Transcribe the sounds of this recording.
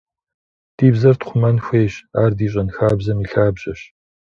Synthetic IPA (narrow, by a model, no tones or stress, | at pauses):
d̥iːbzɐrtχʷʊmɐnxʷeːɕaːrdiːɕ̬ʼɐnxaːbzɐmiːɬaːbʑɐɕ